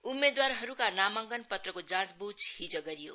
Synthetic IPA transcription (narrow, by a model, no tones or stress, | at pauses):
umːed̪waɾɦʌɾukanamaŋɡənpʌt̪rʌkod͡zãt͡sbud͡zhid͡zʌɡʌɾijo̰